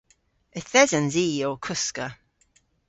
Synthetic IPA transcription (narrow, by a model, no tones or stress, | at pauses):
əθɛzənziːoːkʰʊskə